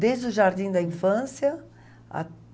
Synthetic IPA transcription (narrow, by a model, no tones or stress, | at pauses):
d̪ezd̪ʊʒaɾd̪ĩd̪ɐĩfɐ̃sjɐ | a̰